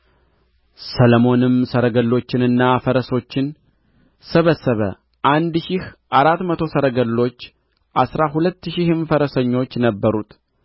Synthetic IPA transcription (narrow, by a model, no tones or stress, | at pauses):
sələmo̞nɨmsəɾəɡəlːo̞t͡ʃːɪnɨnːafəɾəso̞t͡ʃːɪn | səβəsːəβə̰ | ʔand̪ʃɪhʔaɾat̪mət̪ʰo̞səɾəɡəlːo̞t͡ʃː | ʔasɾaɦulət̪ːʃɪhɨnfəɾəsəɲːo̞t͡ʃːnəbːəɾut̪